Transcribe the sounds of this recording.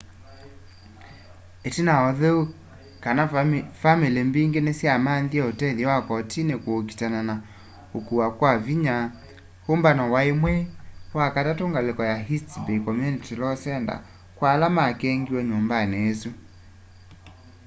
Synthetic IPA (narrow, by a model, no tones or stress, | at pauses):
etinaɔðeu | kanafamilembiːŋɡenesjamanðiɛotɛðɛwakɔtʰinekoːk̬i̥tanana | okuwakwaviɲa | hombanɔwaemwɛwakatatoŋɡalekɔjaɦitbekɔmjunitilɔsɛnda̰ | kwalamakɛŋɡiwɛɲombaneːsu